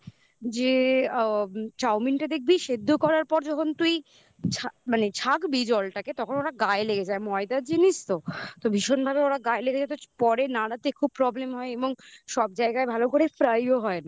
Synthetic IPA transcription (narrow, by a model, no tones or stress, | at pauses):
d͡ʑe | t͡ɕawminʈad̪ek̚ʰbiʃed̪ʱːokɔɾaɾpɔɾd͡ʑɔkʰont̪uj | t͡ɕʰamanet͡ɕʰakbid͡ʑɔlʈaket̪ɔkʰonoɾaɡaeleɡed͡ʑaemɔed̪ad͡ʑinist̪ot̪obʱiʃonbʱabeoɾaɡaeleɡed͡ʑat̪opɔɾenaɽat̪ekʰub̚pɾɔblemɦɔeeboŋʃɔb̚d͡ʑaeɡaebʱalokoɾefɾajoɦɔena